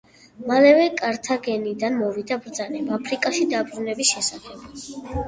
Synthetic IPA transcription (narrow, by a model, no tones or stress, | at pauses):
malɛvɛkʼaɾt̪ʰaɡɛnid̪anmɔvid̪abɾd̪zanɛbapʰɾikʼaʃid̪abɾunɛbisʃɛsaχɛb̥